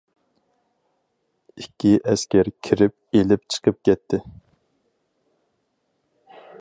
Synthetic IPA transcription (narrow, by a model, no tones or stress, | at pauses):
ikʲʰːiʔɛskʲɛɾkʲʰiɾɪp̚elɪp̚t͡ʃʰə̥qʰəp̚kʲɛt̪ʰːɪ